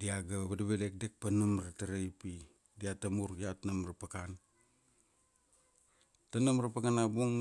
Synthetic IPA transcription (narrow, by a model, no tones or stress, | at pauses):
diaɡaβadaβedek̚dek̚panamɾataɾajpi | diatamuɾjatnamɾapakan | tanamɾapakanabuŋ